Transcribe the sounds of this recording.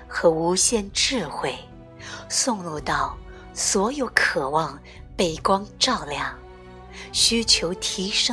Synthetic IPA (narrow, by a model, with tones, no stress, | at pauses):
xɤ˧˥u˧˥ɕjɛ˥˧nʈ͡ʂɻ̩˥˧xwe˥˩ɪ | sʊ˥˧ŋlu˥˧t̪ɑ˥˩ʊ | swɔ˧˥jo˧˥ʊkʰɤ˨˩wɑ˥˧ŋ | pe˥˩ɪkwɑ˥ŋʈ͡ʂɑ˥˧ʊljɑ˥˩ŋ | ɕy˥t͡ɕʰjo˧˥ʊt̪ʰi˧˥ʂɤ˥